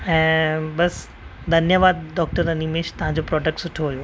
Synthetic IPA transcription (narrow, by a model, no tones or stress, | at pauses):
ɛ̃ːbɐs | d̪ʱɐnjəʋaːd̪̚ɖɔːk̚ʈəɾɐnimeːʃt̪ɐʋ̤ãɲ̆d͡ʑopɾɔːɖək̚ʈsʊʈʰoɦuijoː